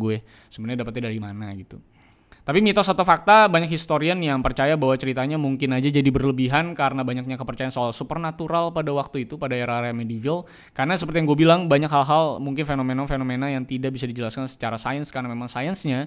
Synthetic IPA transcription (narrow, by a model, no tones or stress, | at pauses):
ɡu | səbənɲadapat̪̚ɲadaɾimanaɡit̪ṵ | t̪apimit̪ɔs̬at̪ofak̚t̪abaɲakhist̪oɾianjaŋpərt͡ʃajabaɦwat͡ʃəɾit̪aɲamuŋkɪnad͡ʒad͡ʒadibərləbiɦankaɾənabaɲak̚ɲakəpərt͡ʃajansoalsupərnat̪uɾalpadawak̚t̪uit̪upadaeɾaɾamedivɪl | kaɾənasəpərt̪ijaŋɡuabilaŋbaɲakɦalɦalmuŋkɪnfenomenafenomenajaŋt̪idaʔ̚bisadid͡ʒəlaskansə̥t͡ʃaɾasajənskaɾənamemaŋsajənsɲa